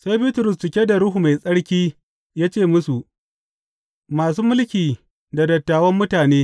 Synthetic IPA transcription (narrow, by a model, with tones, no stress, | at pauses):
sa˦jbiː˦tʊ˨ɾʊ˨st͡ʃɪ˨kʲe˦da˨ɽʊ˦ɦu˨ma˨jsʼɐ˦ɽkʲiː˦ | jaː˦t͡ʃeː˦˨mʊ˦su˨ʔ | maː˨suː˦mʊ˦lkʲiː˨ | da˨dɐ˨tːaː˨wɐ˦mːʊ˦taː˨neː˦